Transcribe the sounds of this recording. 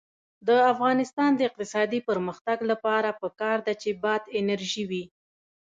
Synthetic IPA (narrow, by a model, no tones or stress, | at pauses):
d̪əafɣɑnɪst̪ɑnd̪əɪq̚t̪ɪsɑd̪ipəɾməxt̪aɡlapɑɾapəkɑɾd̪at͡ʃebɑd̪ɪnaɾʒiwi